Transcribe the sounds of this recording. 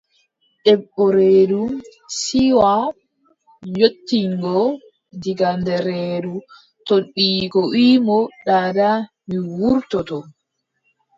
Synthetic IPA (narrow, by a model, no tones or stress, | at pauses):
ɗɛɓːɔɾeːdusiwa | jotːiŋɡɔ | diɡandɛɾeːdu | toɗːiːkɔwiːmɔɗaːda | miwuɾtɔtɔ